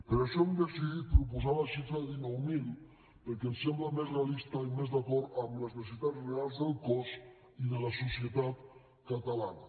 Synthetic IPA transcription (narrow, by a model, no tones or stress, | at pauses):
peɾaʃɔumd̪esiðit̪̚pɾup̬uzaβaʃit̪ainowmil | pəɾkesemblamezrealist̪aimezðakɔɾt̪amləznes̬it̪azrealˠzðəlˠkɔs | iðəlasusjət̪at̪ | kat̪alana